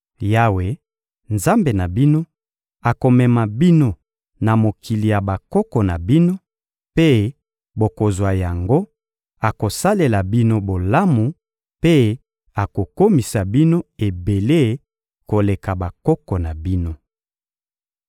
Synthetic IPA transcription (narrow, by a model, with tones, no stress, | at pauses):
ja˦we˨ | nza˦mbe˨na˨bi˦no˦ | a˨ko˨mɛ˨ma˨bi˦no˦ | na˨mo˨kʰi˨li˨ja˨ba˨kɔ˦kɔ˨na˨bi˦no˦ | pe˦ | bo˨ko˨zwa˨ja˨ŋɡo˦ | a˨ko˨sa˦le˨la˨bi˦no˦bo˨la˦mu˨ | pe˦ | a˨ko˨ko˦mi˨sa˨bi˦no˦e˨be˨le˦˨˦ | ko˨le˨ka˨ba˨kɔ˦kɔ˨na˨bi˦no˦